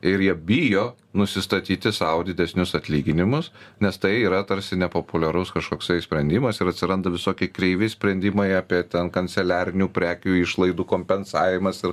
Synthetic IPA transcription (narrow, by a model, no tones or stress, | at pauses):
ɪɾjiɛbʲijoː | nʊsʲɪst̪ɐt̪ʲiːt̪ʲɪsɐʊd̪ʲɪd̪ʲɛsʲnʲʊsɐt̪ʲlʲiːɡʲɪnʲɪmʊsnʲɛst̪ɐɪiːɾɐt̪ɐɾʲsʲɪnʲɛpoːpʊlʲɛɾʊskɐʃkoːksɐɪsʲpʲɾʲɛnʲd̪ʲɪmɐsɪɾɐt̪ʲsʲɪɾɐnd̪ɐʋʲɪsoːkʲɛɪkɾʲɛɪʋʲɛɪsʲpʲɾʲɛnʲd̪ʲɪmɐɪɑːpʲiɛt̪ʲɛnkɐnʲtsʲɛlʲæːɾʲɪnʲuːpʲɾʲæːkʲuːɪʃlˠɐɪd̪uːkoːmʲpʲɛnsɑːʋʲɪmɐsɪɾ